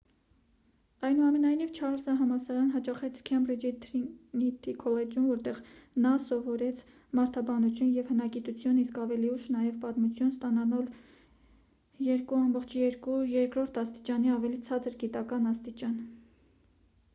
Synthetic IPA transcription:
ɑjnuɑmɛnɑjnivt͡ʃʰɑɾsɑɦɑmɑsɑɾɑnɦɑt͡ʃɑχɛt͡sʰkʰjɛmrid͡ʒit̪ʰɾinit̪ʰikʰɔlɛd͡ʒumvɔɾt̪ɛʁnɑsɔvɔɾɛt͡sʰ | mɑɾt̪ʰɑbɑnut͡sʰjunjɛvhənɑɡit̪ut͡sʰjuniskɑvɛliuʃnɑjɛvpɑt̪mut͡sʰjunst̪ɑnɑnɑl | jɛɾkuɑmbɔχt͡ʃʰjɛɾkujɛɾkɾɔɾt̪ʰɑst̪i̥t͡ʃɑniɑvɛlit͡sʰɑt͡səɾɡit̪ɑkɑnɑst̪it͡ʃɑn

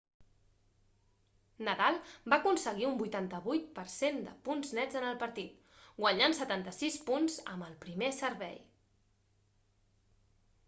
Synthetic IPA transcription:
nəðalˠbakunsəɣiumbujt̪ant̪əβujt̪̚pəɾsend̪ə̰punznɛd͡zənəlˠpəɾt̪it̪ | ɡwəɲansət̪ant̪əsispunzə̰məlˠpɾimesəɾβɛ̰j

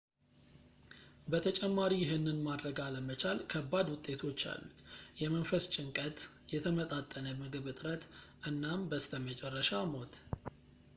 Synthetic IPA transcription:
bət̪ʰət͡ʃʼɛmːaɾijɪɦɨnːɨnmad̪ɾəɡaləmət͡ʃalkʰəbːad̪wʊt̪ʼːe̞t̪ʰo̞t͡ʃːa̰lːṵt̪jɛmənfəst͡ʃʼɪŋkʼət̪jɛt̪ʰəmət̪ʼat̪ʼːənəmɨɡɨβɨt̪ʼɨɾət̪ʔɨnːambəst̪əmət͡ʃʼɛrːəʃamo̞t̪

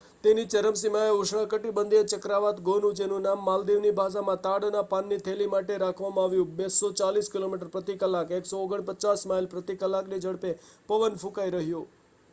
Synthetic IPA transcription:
t̪enit͡ʃəɾəms̬imaeʊʃɳãkəʈibənd̪ijet͡ʃəkɾaʋat̪ɡonũd͡ʒenũnamːald̪iʋnibʱasamãt̪aɽnapanːit̪ʰelimaʈeɾakʰʋamãaʋjũbesot͡ʃaliskilomiʈ̬əɾpɾət̪ikəlakeksooɡəɳpət͡ʃasmailpɾət̪ikəlːakned͡ʒəɽpepəʋənfũkaiɾəɦjõ

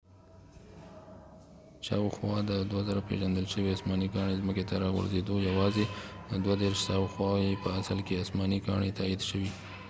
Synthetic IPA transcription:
ʃɑ̰wxwɑd̪əd̪wazaɾapḛʒand̪əlʃəweasmɑniɡɑɳezməket̪aɾɑɣə̰ɾzed̪ojawɑzeəd̪wad̪eɾʃsawxwɑepəasəlkeɑsmɑniɡɑɳet̪ɑid̪ʃəwi

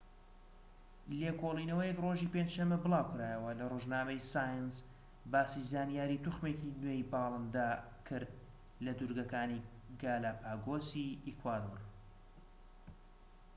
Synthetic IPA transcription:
lekolˠinɐwəjɛkroʒipend͡ʒʃɐmːabɨlˠaːwkɨɾaːjəwɐlɐroʒnaːmejsaːjɨns | baːsizaːnijaːɾit̪uχmekinwejbɑːlˠɨnd̪a | kʰɨɾd̪̚ | lɐd̪uɾɡɐkaːni | ɡaːlaːpaːɡosiikwaːd̪oɾ

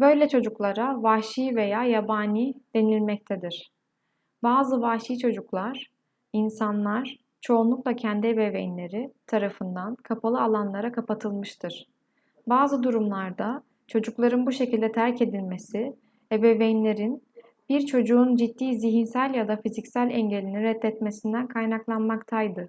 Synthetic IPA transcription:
bø̞jlʲɛt͡ʃʰo̞d͡ʒuklˠaɾavaʃiːve̞jaːjabaːniːd̪̥e̞nilʲmɛc̚t̪ʰɛd̪iɾ̥ | baːzɯvaʃiːt͡ʃʰo̞d͡ʒuklˠaɾ̥ | insanlˠaɾ̥ | t͡ʃʰo̞unlˠuklˠacʰɛnd̪iebe̞vejinlʲe̞ɾit̪ʰaɾafɯnd̪ankʰapʰalˠɯalˠanlˠaɾakʰapat̪ʰɯlˠmɯʃt̪ʰɯɾ̥ | baːzɯd̪uɾumlˠaɾd̪a | t͡ʃʰo̞d͡ʒuklˠaɾɯnbuʃe̞cʰilʲd̪ɛt̪ʰæɾce̞d̪ilʲme̞si | ebevejinlʲe̞ɾin | biɾt͡ʃʰo̞d͡ʒuːnd͡ʒit̪ːiːziɦinsælʲjad̪afizicsælʲɛɲɟe̞lʲiniɾɛt̪ːɛt̪me̞sind̪ænkʰajnaklˠanmakt̪ʰajd̪ɯ

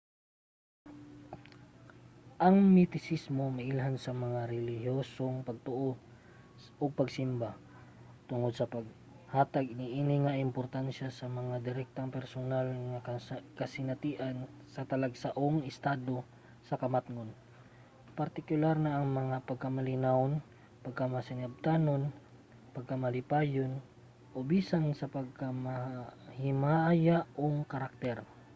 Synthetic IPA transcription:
ʔɐŋmɪt̪ɪsismo̞mɐʔɪlɦansɐmɐŋaɾɛlɪhjoːsoŋpɐɡ̚t̪oʔo | ʔoɡ̚pɐɡsɪmba | t̪ʊŋod̪̚sɐpɐɡ̚ | haːt̪aɡ̚nɪʔinɪŋɐʔɪmpoɾt̪anʃasɐmɐŋad̪ɪɾɛk̚t̪aŋpɛɾsonalŋɐkkɐsɪnɐt̪iːʔan | sɐt̪ɐlɐɡsaʔoŋɪst̪aːd̪o̞ | sɐkɐmat̪ŋon | pɐɾt̪ɪkʊlaɾnɐʔɐŋmɐŋapɐɡ̚kɐmɐlɪnawn | pɐɡ̚kamɐsɪnab̚t̪aːnon | pɐɡ̚kamɐlɪpaːjon | ʔobisansɐpɐɡ̚kamahɪmajaʔoŋkɐɾak̚t̪ɛɾ

